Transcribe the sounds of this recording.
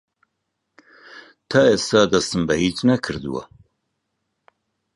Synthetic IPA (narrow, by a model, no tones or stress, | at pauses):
t̪ʰaːeːst̪aːd̪ɐst̪ɨmbɐhiːt͡ʃnɐkʰɨɾd̪ṵwɐ̰